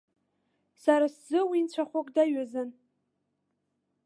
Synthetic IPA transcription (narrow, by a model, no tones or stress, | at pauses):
saɾaszɨwint͡ɕʷʰaχʷʊkʼdaɥazɨn